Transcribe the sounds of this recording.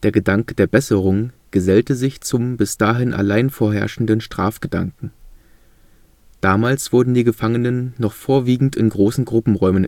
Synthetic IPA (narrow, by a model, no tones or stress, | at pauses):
d̥eːɐɡədaŋkəd̥eːɐbɛsəʁ̞ʊŋɡ̥əzɛltəzɪçt͡sʊmbɪsd̥aːɦɪnʔa̰laɪnfoːɐɦɛ̰ɐʃn̩dənʃtʁ̥aːfɡ̥əd̥a̰ŋkŋ̩ | d̥aːmaːlsv̥ʊɐdn̩diːɡəfaŋənənːɔχfoːɐviːɡŋ̩tɪnɡʁoːsn̩ɡʁʊpm̩ʁɔʏmən